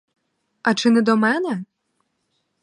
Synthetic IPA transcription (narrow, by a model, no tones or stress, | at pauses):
ɐt͡ʂɨnɨd̪ɔmɛnɛ